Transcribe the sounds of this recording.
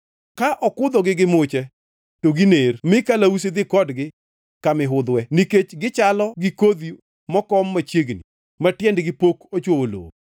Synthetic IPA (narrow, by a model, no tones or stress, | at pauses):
kaʔɔkʊd̪ɔɡɪɡɪmʊt͡ʃɛ | toɡinermɪkalaus̬ed̪ɪkɔdɡɪ | kamɪɦʊd̪wɛniket͡ʃɡɪt͡ʃalɔɡɪkod̪i | mɔkɔmːat͡ʃjeɡni | matjɛndɡɪpokot͡ʃwoolo̰